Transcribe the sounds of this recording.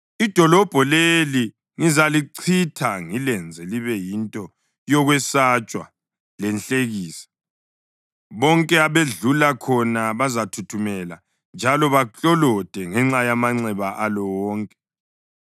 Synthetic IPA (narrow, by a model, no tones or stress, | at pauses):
id̥ʱɔlɔb̥ʱɔleli | ŋizaliǀʰitʰaŋilɛnd͡zʱɛliβɛjintʼɔ | jɔɣwɛsat͡ʃʼwa̰ | lɛnɬʼeɣiːsḁ | βɔŋkʼɛaβeɮulakʰɔnaβazatʰutʰumɛla | nd͡ʒʱalɔβat͡ɬʼɔlɔd̥ʱɛŋɛŋ͡ǁajamaŋ͡ǀɛβaʔalɔwɔːŋkʼɛ̥